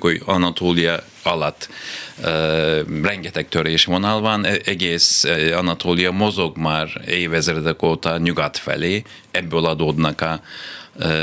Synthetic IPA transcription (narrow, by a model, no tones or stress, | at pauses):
kujanat̪ʰolˠija | alˠat̪ | ɾɛŋɡɛt̪ʰɛk̚t̪ʰøɾɛjiʃimonalˠvanɛɡɛsanat̪ʰolijamozoɡmaɾejvɛzɾɛd̪ɛkot̪ʰanʲyɡat̪fɛ̰li | ɛbolˠad̪od̪naka